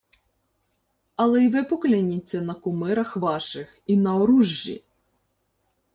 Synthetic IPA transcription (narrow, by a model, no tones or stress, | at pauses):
ɐlˠɛiʋɪpɔklʲɪnʲit͡sʲːɐnɐkʊmɪɾɐxʋɑʃɪxinɐɔɾuʒːḭ